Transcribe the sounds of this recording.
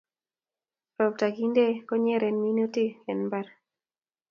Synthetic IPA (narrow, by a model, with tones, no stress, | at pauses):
ɾɔ˨b̚ta˨ɡi˦nde˦kɔ˦ɲɛ˦ɾɛ˨nmi˦no˦ti˦ɛ˨nmba˦ɾ